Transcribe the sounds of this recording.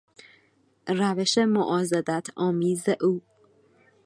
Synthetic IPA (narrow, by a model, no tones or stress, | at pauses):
ræveʃemoʔɒːzɒd̪æt̪ʰɒːmiːzeʔuː